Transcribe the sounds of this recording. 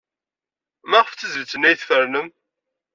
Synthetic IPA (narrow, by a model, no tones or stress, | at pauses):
mæʁəft͡səzəvt͡sːənæjθfəɾnəm